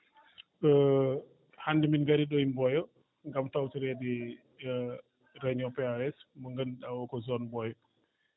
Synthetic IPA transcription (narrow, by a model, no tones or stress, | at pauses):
ə | handiminɡaɾiɗɔjmbɔjɔ | ŋɡamtawtiɾɛdi | ɾɛɲɔpɛaɛsmɔŋɡənɗawɔkɔzɔnbɔjɔ